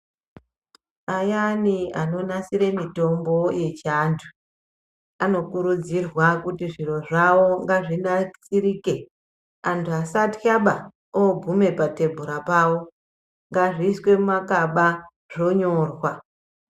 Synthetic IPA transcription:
ajaniano̞nasiɾe̞mito̞mbo̞je̞t͡ʃaːntʰu̥ | ano̞kuɾud͡zirwakutiʐiro̞ʐawo̞ŋɡaʐinat͡siɾike̞ | antʰuasatkaɓa | obʱume̞pate̞bʱuɾapawo̞ | ŋɡaʐiːswe̞mumakaɓa | ʐ̥o̞ɲo̞ːrwa

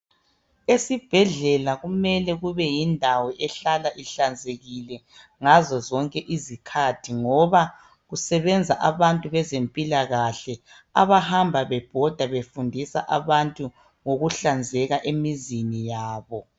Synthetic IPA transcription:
esib̥ʱɛɮɛlaɣumɛlɛɣuβɛjindʱawɛʔɛɬalaʔiɬand͡zʱeɣilɛ | ŋazɔzɔŋkʼɛʔizikʰatʰiŋɔβa | ɣusɛβɛnd͡zʱaʔaβantʼuβɛzempʼilaɣaɬɛ | a̰βahambʱaβɛb̥ʱɔd̥ʱaβefundʱisa̰ʔa̰βantʼu | ŋoɣuɬand͡zʱɛɣaʔemizinijaːβɔ

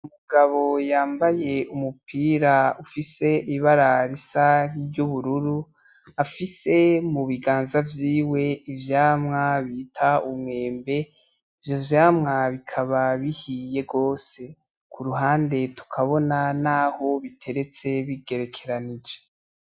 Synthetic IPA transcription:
umuɡaβo̞jaːmbaje̞umupiːɾaufise̞iβaɾaɾisaɾiɾɟuβuɾuɾu | afise̞muβiɡaːnzavjiːwe̞ivjaːmŋaβiːtʰaumŋe̞ːmbe̞ | ivjo̞vjaːmŋaβikʰaβaβihije̞ɡɡo̞ːse̞ | kʰuɾuɦaːnde̞tu̥kʰaβo̞nanaːho̞βitʰe̞ɾe̞t͡se̞βiɡe̞ɾe̞kʰe̞ɾanid͡ʒe

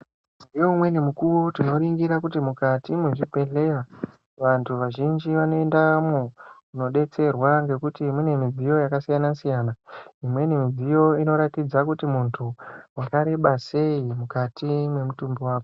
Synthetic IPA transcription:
zijoumwe̞nemukuʋotino̞ɾiŋɡiɾakutimukatimweʐipe̞ɮe̞ra | ʋantʰuʋaʒind͡ʒiʋano̞e̞ndamouno̞ɗe̞t͡se̞rwaŋɡe̞kutiːmwene̞mid͡zijo̞jakasijanasijaːnaimwe̞nemid͡zijo̞ino̞ɾatid͡zakutimuntʰuwakaɾe̞ɓase̞imukatime̞mutumbiwaːko

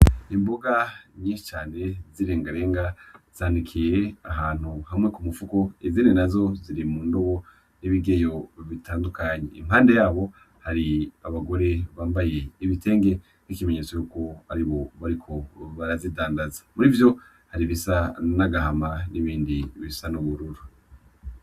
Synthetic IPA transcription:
imboɡaɲiːʃi̥t͡ʃaːne̞ziɾe̞ːŋɡaɾe̞ːŋɡaz̥aːndikʰije̞aɦaːn̥huhamŋe̞kumufuko̞izinenazo̞ziɾimuːndo̞βo̞ | niβiɡe̞jo̞βitaːndukaɲḛimhaːnde̞jaːβo̞ | haɾiaβaɡo̞ɾe̞βaːmbaje̞iβite̞ːŋɡe̞ | nikime̞ɲet͡sojukohaɾiβo̞βaɾikʰo̞βaɾazidaːndazḁmuɾivjo̞ | haɾiβisanaɡahamaniβiːndiβisanuβuɾuɾu

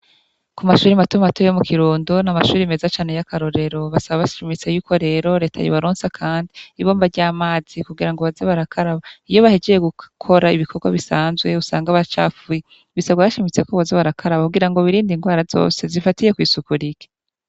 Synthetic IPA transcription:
kumaʃuːɾimatumatoejomukʰiɾuːndonamaʃuːɾime̞zat͡ʃaːne̞jakaɾo̞ɾe̞ɾo̞βasaβaβaʃimit͡se̞juːkʰo̞ɾe̞ːɾo̞ɾe̞ːtʰa̰jo̰βaɾoːnsakʰaːndiːβo̞ːmbaɾɟaːmaːz̥ikuɡiɾaŋɡoβazeβaɾakʰaɾaβaijo̞βahed͡ʒejeɡukʰo̞ɾaiβikʰo̞ɡwa̰βisaːnzɡwe̞usaːŋɡaβat͡ʃa̰fuji | βisaβɡaβaʃimit͡se̞koβazeβaɾakʰaɾaβauɡiɾaŋɡo̞βiɾiːndiŋɡwaːɾazo̰ːse̞zifatije̞kwiːsukuɾike̥

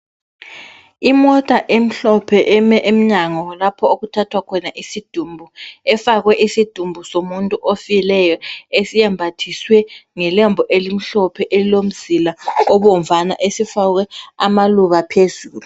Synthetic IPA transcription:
imɔtʼaʔem̩ɬɔpʰɛʔmɛʔem̩ɲaŋɔlapʰɔoɣutʰatʰwakʰɔnaʔisid̥ʱumbʱuɛfaɣwɛʔisid̥ʱumbʱusomuntʼuʔofilɛjɔesijɛmbʱatʰiswɛŋɛlɛmbʱɔʔelim̩ɬɔpʰɛʔelilom̩zilaɔβɔm̩vana̰ʔesifaɣwɛamaluβapʰezuːlu

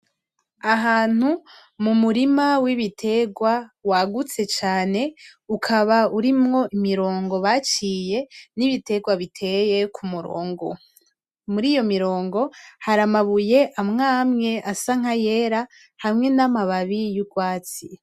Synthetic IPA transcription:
aɦaːn̥u | mumuɾimawiβitʰe̞ɡwawaɡut͡se̞t͡ʃaːne̞ukʰaβauɾimŋo̞ʔimiɾo̞ːŋɡo̞βat͡ʃiːje̞niβite̞ɡwaβitʰe̞je̞kʰumuɾo̰ːŋɡo̞̰ | muɾiːjo̞miɾo̞ːŋɡo̞haɾamaβuje̞ʔamŋaːmŋe̞ʔasaŋ̥aje̞ɾa | hamŋe̞namaβaβijuɡwaːt͡si

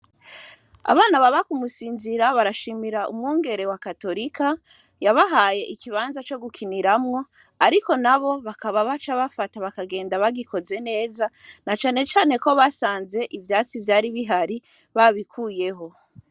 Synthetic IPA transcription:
a̰βaːnaβaβakumusiːnziɾaβaɾaʃiːmiɾaʔṵmŋoːŋɡe̞ɾe̞wakato̞ɾikʰa | jaβaɦaːje̞ʔikʰiβaːnzat͡ʃo̞ɡukʰiniɾamŋo̞ | aɾiko̞naβo̞βakaβaβat͡ʃaβafataβakaɡe̞ːndaβaɡiko̞ze̞ne̞ːzanat͡ʃaːnet͡ʃaːne̞ko̞βasaːnze̞ʔivjaːt͡sivjaːɾiβiɦaɾi | βaβikʰuːje̞ɦo̞

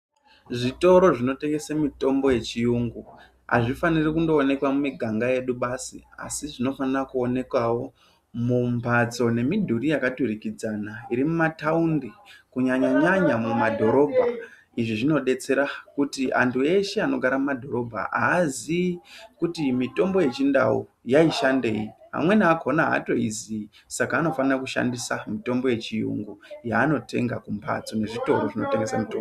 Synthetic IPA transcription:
ʐito̞ɾo̞ʐino̞te̞ŋɡe̞samito̞mbo̞je̞t͡ʃijuŋɡu | a̰ʐifanirikundo̞ːne̞kwamumiɡʱaŋɡaje̞ɗuɓaːsḭa̰siʐino̞fanirakuo̞ne̞kwawo̞ | mumbʱat͡so̞ne̞midʱuɾijakaturikid͡zanaiɾimumataundikuɲaɲaɲaɲamumadʱo̞ɾo̞bʱa | iʐiʐino̞ɗe̞t͡se̞ɾakutiʔa̰ntʰue̞ʃe̞ano̞ɡʱaɾamumadʱo̞ɾo̞bʱa̰a̰ːzikutimito̞mbo̞je̞t͡ʃinda̰wṵjaiʃande̞jiɦa̰mwe̞naakonaɦa̰to̞izi | sakaːno̞fanirakuʃa̰ndisamito̞mbo̞je̞t͡ʃijṵŋɡujaːno̞te̞̰ŋɡakumpʰa̰t͡sone̞ʐito̞ɾoʐino̞teŋɡesamutoo

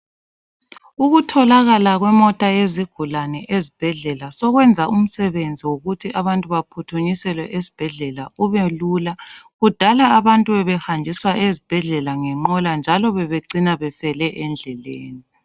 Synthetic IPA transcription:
uɣutʰɔlaɣalaɣwɛmɔtʼaeziɡ̥ʱulanɛʔezib̥ʱɛɮɛlasɔɣwɛnd͡zʱaʔum̩sɛβend͡zʱiwoɣutʰiʔaβantʼuβapʰutʰuɲisɛlwɛʔezi̥b̥ʱɛɮɛlauβelulaɣud̥ʱalaːβantʼuɛβɛhand͡ʒʱiswaʔezib̥ʱɛɮɛlaŋɛŋ͡ǃɔland͡ʒʱalɔβɛβeǀinaβɛfɛlɛʔɛnd͡ɮʱɛleːni

